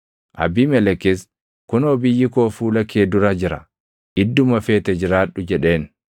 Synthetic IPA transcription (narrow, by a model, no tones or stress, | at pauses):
ʔɐ̰biːmɛlɛkːɪs | kʊnoːbɪjːɪkoːfuːlɐkːeːd̪ʊɾad͡ʒɪɾɐ̰ | ʔɪd̪ːʊmɐfeːt̪ɛd͡ʒɪɾaːᶑːʊd͡ʒɛᶑe̞ːn